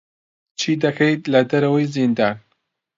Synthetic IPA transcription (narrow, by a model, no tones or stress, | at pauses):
t͡ʃʰiːd̪ɐkʰɐjt̪lɐd̪ɐɾɐwəjzind̪aːn